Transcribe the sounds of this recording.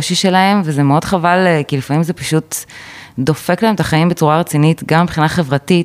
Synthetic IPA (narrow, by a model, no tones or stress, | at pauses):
ʃiʃe̞lahe̞mvezemeo̞d̥χavalkilifamimzepaʃut | d̪o̞fe̞klahemetaχajimbet͡suʁaʁet͡sinitɡamibχinaχe̞vʁati